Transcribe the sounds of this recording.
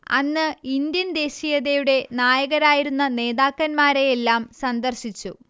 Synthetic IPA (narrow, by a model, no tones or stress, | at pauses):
ɐ̰nːɨind̪jɐnd̪e̞ːɕijɐðejuɽe̞naːjɐɣɐɾaːjiɾunːɐne̞ːðaːkːɐnmaːɾe̞jelːaːmsɐnd̪ɐrɕit͡ɕːu